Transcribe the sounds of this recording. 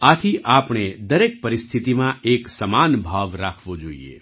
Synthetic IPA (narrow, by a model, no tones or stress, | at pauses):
at̪ʰiʔapɳ̃ed̪əɾek̚pəɾɪst̪ʰit̪imãʔeksəmanbʱaʋɾakʰʋod͡ʒoḭḛ